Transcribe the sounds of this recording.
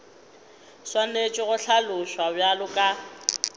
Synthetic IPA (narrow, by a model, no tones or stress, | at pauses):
swanet͡ʃʼɪɣʊɬʰalʊʃwabjalʊkʼa